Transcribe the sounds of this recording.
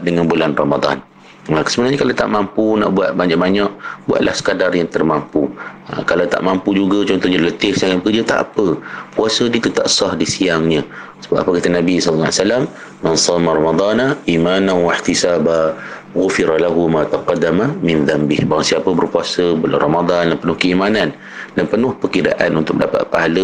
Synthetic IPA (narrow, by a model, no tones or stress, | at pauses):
ʔ̚dəŋanbulanrɑmad̪ˤɑ̰n | əkə̥səbənaɲəkalawt̪a̰ʔmampuna̰ʔbuat̪̚baɲaʔ̚baɲaʔbua̰ʔ̪̚lʔa̰hsə̥kadarjaŋt̪ərmampuə̰kalawt̪a̰ʔmampud͡ʒuɡat͡ʃɔnt̪ɔhɲalələt̪ɪhsakaʔ̪bəkərd͡ʒat̪a̰ʔpəpuasədiət̪ut̪aʔsɑhdisiaŋɲə̃ | səbapapəkat̪ənãbisllːasalamː | ansɑːmaɾˤɑmad̪ˤɑnaʔimananwaħt̪isaːba | ɣʊfiɾalaɦumat̪aqɑdːamamɪ̃nðambɪhbaɾaŋsiapəbərpuasəbəla̰ɾɑmad̪ˤɑndanpənʊhkəimanan | danpənʊhpəkida̰ʔanunt̪ʊk̚dapa̰t̪̚paɦalə